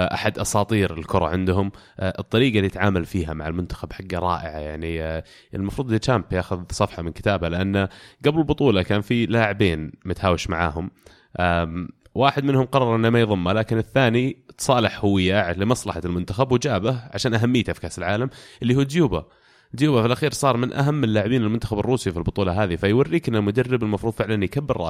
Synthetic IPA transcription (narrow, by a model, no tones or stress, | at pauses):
ʔaħad̪ʔɑsˤɑːt̪ˤiːɾɪlkʊɾˤɑ̰ʕɪnd̪ɦʊm | ʔɨt̪ˤːɑɾiːɡalit̪ʕaːmalfiːɦa̰maʕalmʊnt̪ḁxabħaɡːaɾˤɑ̰ːʔɪ̰ʕa̰jaʕni | ɪlmɑfɾuːd̪t͡ʃampjaːxʊðsˤɑfħɑmɪnkɪt̪aːbalɪʔanːaɡablɪlbʊt̪ˤuːlɑkaːnfilaːʕɪbeːnmat̪haːwɪʃmaʕa̰ːɦʊm | ʔa | wʔaːħɪd̪mɪnhʊmqɑrˤːɑɾˤʔɪnːamajðˤɑmːalaːkɪnɪθːaːnit̪sˤɑːlɪħhʊwɪjːaʕlɪmɑsˤlɑħalmʊnt̪axabwɪd͡ʒaːbahʕaʃaːnʔaɦamːɪjːt̪ʔafkaːsɪlʕaːlamʔɪlːiɦuːd̪juːba̰ | d̪juːbafɪlʔaxiːɾsˤɑːɾˤmɪnʔa̰ɦamːɪlːaːʕɪbiːnɪlmʊnt̪axabɪrˤːuːsifilbʊt̪ˤuːlɑɦaːðifajwarːiːkʔɪnːamʊd̪arːɪbɪlmɑfɾuːd̪ˤfɪʕlanjkabːɪɾrˤɑ̰ː